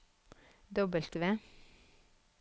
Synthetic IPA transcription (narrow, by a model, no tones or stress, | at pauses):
d̪ɔbəlt̪ʋeː